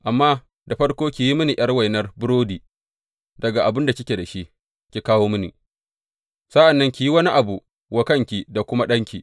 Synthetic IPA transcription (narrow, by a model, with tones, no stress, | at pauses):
ʔa˨mːaː˦ | da˨ɸɐ˦ɽkʷoː˦kʲi˨ji˦mɪ˦ni˨ʔj̰ɐ˦rwa˨jnɐ˦rbʊ˦ɽoː˦diː˨ | dɐ˨ɡa˨ʔa˨bɪ˦nda˨kʲɪ˦kʲe˨da˨ʃi˦ʔ | kʲi˨kaː˦woː˦mɪ˦nḭ˨ | sɐ˦ʔa˨nːɐ˦ŋkʲi˨ji˦wɐ˦ni˦ʔa˨bu˨ | wɐ˦kɐ˦ŋkʲi˨da˨kʷʊ˦ma˦ɗɐ˦ŋkʲi˨